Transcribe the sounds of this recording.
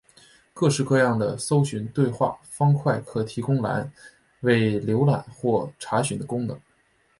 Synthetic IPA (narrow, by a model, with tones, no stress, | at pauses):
kɤ˥˧ʂɻ̩˥˧kɤ˥˧jɑ˥˩ŋd̪ə˩so˥ʊɕy˧˥nt̪we˥˧ɪxwa̰˥˩fɑ˥ŋkʰwa˥˩ɪkʰɤ˨˩t̪ʰi˧˥kʊ˥ŋla̰˧˥n | we˥˩ɪljo˧˥ʊla̰˨˩˦nxwɔ˥˩ʈ͡ʂʰa˧˥ɕy˧˥nd̪ə˧kʊ˥ŋnɤ˧˥˦ŋ